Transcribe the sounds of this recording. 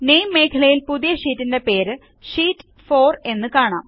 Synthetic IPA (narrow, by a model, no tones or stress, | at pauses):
nejmːe̞ːkʰɐɭɐjilpuðijɐʂiːtːinde̞pe̞ːɾɨ | ʂiːtː | fo̞ːre̞nːɨkaːɳa̰ːm